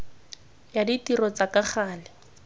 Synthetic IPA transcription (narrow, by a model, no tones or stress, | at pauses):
jaditirɔt͡sakaχaːlɪ